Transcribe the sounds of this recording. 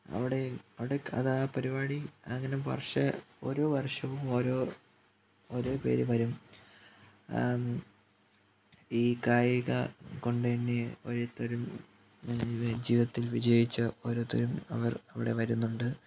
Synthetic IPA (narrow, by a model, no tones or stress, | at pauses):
ɐ̰ʋiɽe̞ɐʋiɽe̞ɐ̰ðapɐɾibaːɽiɐŋːɐnepɐ̰rʂɐo̞̰ːɾo̞ːʋɐrʂɐʋumoːɾo̞ː | oːɾo̞ːpe̞̰ːɾuʋɐɾum | iːkaːjiɣɐ̰ko̞ɳɖenːeoɾet̪ːɐɾum | d͡ʑiːʋɐt̪ːilʋid͡ʑɐjit͡ɕːɐo̞ːɾoːt̪ːɐɾumɐ̰ʋɐrɐʋiɽe̞ʋɐɾunːuɳɖɨ